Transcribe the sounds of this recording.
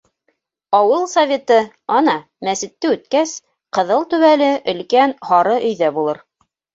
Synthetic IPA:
ɑwɤlˠsɐvʲe̞t̪ɤ | ɑnɑ | mæsɘ̆t̪ːɘʉt̪̚kæs | qɤ̆ðɤlˠt̪ʉβælɘʔɵ̆lkænhɑɾɤʔɵ̆jðæbulˠɤɾ

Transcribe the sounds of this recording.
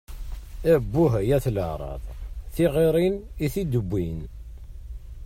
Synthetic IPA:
æbːʊɦæjæθləʕɾˤɑ̰ðˤθiʁeɾˤiniθid̪əbːin

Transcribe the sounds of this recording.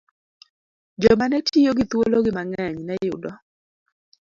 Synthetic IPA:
d͡ʒɔmanɛtʰijoɡɪt̪woloɡɪmaŋɛɲnɛjʊ̰dɔ

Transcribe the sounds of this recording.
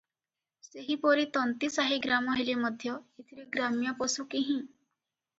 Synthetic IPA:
seɦipoːɾit̪ɔnt̪isaːɦiɡɾaːmɔ̃ɦeliməd̪ʱjɔɪt̪ʰɾiɡɾaːmjãposukiɦĩ

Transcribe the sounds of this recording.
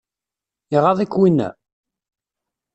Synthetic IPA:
iʁɑðˤikwinːæ̰

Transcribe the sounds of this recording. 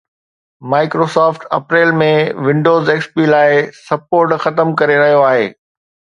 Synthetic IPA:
maːɪkɾoːsɔːfʈɐ̰pɾeːlmẽʋɪ̃ɳɖoːzeːkspiːlaːɪsɐpoːɾʈxɐt̪əmkɐɾeɾɐɦijoaːɦeː

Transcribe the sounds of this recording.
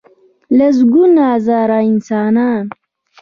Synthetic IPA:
lɐs̬ɡunaːzaːɾaːinsaːnaːn

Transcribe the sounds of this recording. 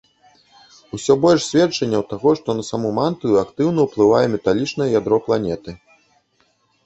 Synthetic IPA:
usʲɔbɔlʲʂsʲvʲɛt͡ʂɐnʲːɐwt̪aɣɔʂt̪ɔnɐsamumant̪ɨjakt̪ɨwnɐwplˠɨvajɛmʲɛt̪alʲit͡ʂnɐjɐjad̪ɾɔplˠanʲɛt̪ɨ

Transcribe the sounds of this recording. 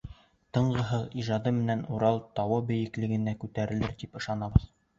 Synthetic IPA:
t̪ɤ̆ɴɢɤ̆ɦɤðiʒɑd̪ɤmɘ̆nænuɾɑlˠt̪ɑwɤbɘ̆jɘ̆klɘ̆ɡɘ̆nækʉt̪æɾɘ̆lɘɾt̪ipɤ̆ʃɑnɑbɤð

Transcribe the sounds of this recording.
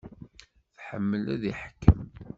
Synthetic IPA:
θħəmːəlæðiħkːəm

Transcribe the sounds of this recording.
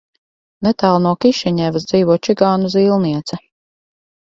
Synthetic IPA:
net̪aːlˠnuɔkiʃɛɲɛːvasd̪ziːvuɔt͡ʃiɡaːnuziːlˠniɛt̪sɛ

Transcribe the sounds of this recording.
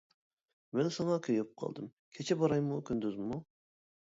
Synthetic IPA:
mɛnsɑŋɑkʲʰøjyp̚qʰɑ̰lˠd̪ɨm | kʲʰet͡ʃʰɛbɑɾɑjmukʲʰynd̪yzmu

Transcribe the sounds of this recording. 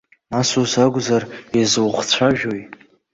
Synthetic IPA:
nasozaɡʷzarazwχt͡ɕʷʰaʒᶣoj

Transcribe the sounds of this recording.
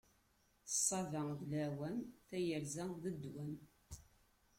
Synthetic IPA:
θə̥sˤːɑðəðlæwænθæjəɾzæðəd̪ːwæn

